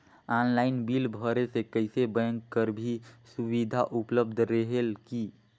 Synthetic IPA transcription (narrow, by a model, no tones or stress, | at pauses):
anlaːɪnbiːlbʱəɾesekəɪsebə̃ŋkːəɾbʱisuwid̪ʱaʔupləbd̪ʱɾəɦelki